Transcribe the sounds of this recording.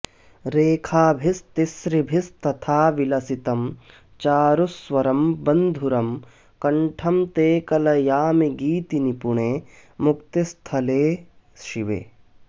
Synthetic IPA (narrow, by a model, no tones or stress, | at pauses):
ɾeːkʰaːbʱist̪isɾibʱist̪ɐt̪ʰaːʋilɐsit̪ɐm | t͡ʃaːɾusʋɐɾɐmbɐnd̪ʱuɾɐm | kɐɳʈʰɐmt̪eːkɐlɐjaːmiɡiːt̪inipuɳeːmukt̪ist̪ʰɐleː | sʃiʋḛː